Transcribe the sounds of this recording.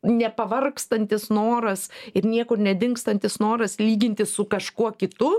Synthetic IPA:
nʲɛpɐʋɐrkst̪ɐnʲt̪ʲɪsnoːɾɐsɪɾnʲiɛkʊnʲɛd̪ʲɪŋkst̪ɐnʲt̪ʲɪsnoːɾɐslʲiːɡʲɪnʲt̪ʲɪssʊkɐʃkuɔkʲɪt̪ʊ

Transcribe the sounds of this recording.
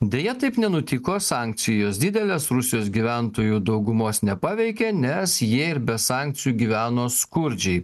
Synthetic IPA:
d̪ʲeːjɛt̪ɐɪpnʲɛnʊt̪ʲɪkoːsɑˑŋʲk̚tsʲɪjoːsd̪ʲɪd̪ʲɛlʲeːsɾʊsʲɪjoːs̬ɡʲiːʋʲænt̪oːjuːd̪ɒʊɡʊmoːsnʲɛpɑʋʲɛɪkʲenʲɛsjiɛɪɾbʲɛsɑˑŋʲk̚t̪sʲɪjuːɡʲiʋʲæːnoːskʊɾʲd͡ʒʲɛɪ

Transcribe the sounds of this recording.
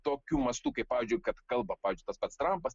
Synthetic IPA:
t̪oːkʲuːmɐst̪uːkɐɪppːɑːʋʲɪːzʲd͡ʒʲʊɪkɐt̪kɐlˠbɐpɑːʋʲɪzʲd͡ʒʲʊɪt̪ɐspɐt̪st̪ɾɐmpɐs

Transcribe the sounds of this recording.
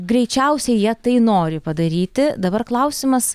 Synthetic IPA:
ɡɾʲɛɪt͡ʃʲɛʊsʲɛɪjiɛt̪ɐɪnoːɾʲɪpɐd̪ɐɾʲiːt̪ʲɪd̪ɐbɐrklˠɐʊsʲɪmɐs

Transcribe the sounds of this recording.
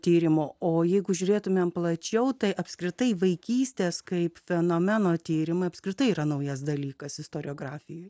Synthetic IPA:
t̪ʲiːɾʲɪmoːoːjɛɪɡʊʒʲʊɾʲeːt̪ʊmʲeːmplˠɐt͡ʃʲɛʊt̪ɐɪʔɐpskɾʲɪt̪ɐɪʋɐɪkʲiːsʲt̪ʲeːskɐɪpfʲɛnoːmʲɛnoːt̪ʲiːɾʲɪmɐɪɐpskɾʲɪt̪ɐɪiːɾɐnɐʊjɛs̬d̪ɐlʲiːkɐsɪst̪oːɾʲɪoːɡɾɑːfʲɪjoːj

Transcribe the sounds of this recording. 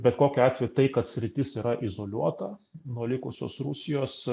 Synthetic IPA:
bʲɛt̪koːkʲɛɑːt̪ʲʋʲɛjt̪ɐɪkɐt̪sʲɾʲɪt̪ʲɪsiːɾɐʔɪzoːlʲuɔt̪ɐnuɔlʲɪkʊsʲo̰ːsrusʲɪjoːs

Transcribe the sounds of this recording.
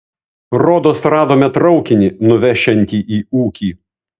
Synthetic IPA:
ɾoːd̪oːsɾɑːd̪oːmʲɛt̪ɾɒʊkʲɪnʲinʊʋʲɛʃʲɛnʲt̪ʲiːʔiːuːkʲiː

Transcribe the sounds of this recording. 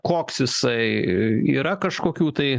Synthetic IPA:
koːksjɪsɐɪiːɾɐkɐʃkoːkʲuːt̪ɐɪ

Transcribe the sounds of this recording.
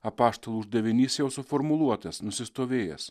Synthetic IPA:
ɐpɑːʃt̪oːlˠuʊʒd̪ɐʋʲɪnʲisjɛʊsʊfoːɾmʊlˠuɔt̪ɐsnʊsʲɪst̪oːʋʲeːjɛ̰s

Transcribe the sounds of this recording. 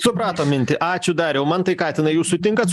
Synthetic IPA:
sʊpɾɑːt̪oːmʲɪnʲt̪ʲɪʔɑːt͡ʃʲʊd̪ɐɾjɛʊmɐnt̪ɐɪkɑːt̪ʲɪnɐɪjuːsʊt̪ʲɪŋkɐt̪s

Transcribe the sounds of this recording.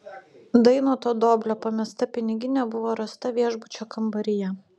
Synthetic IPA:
d̪ɐɪnoːt̪oːd̪oːbʲlʲoːpɐmʲɛst̪ɐpʲɪnʲɪɡʲɪnʲɛbʊʋoːɾɐst̪ɐʋʲiɛʒbʊt͡ʃʲoːkɐmbɐɾʲɪjɛ

